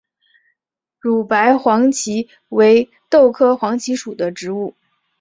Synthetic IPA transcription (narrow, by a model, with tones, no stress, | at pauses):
ɻu˨˩pa˧˥ɪxwɑ˧˥ŋt͡ɕʰi˧˥ | we˧˥ɪ | t̪o˥˩ʊkʰɤ˥xwɑ˧˥ŋt͡ɕʰi˧˥ʂu˨˩d̪ə˦ʈ͡ʂɻ̩˧˥u˥˩